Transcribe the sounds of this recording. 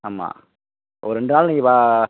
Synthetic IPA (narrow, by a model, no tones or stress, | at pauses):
aːma̰ː | ɐ̰ʋɾɛɳɖɯnaːlniːŋɡɐpaː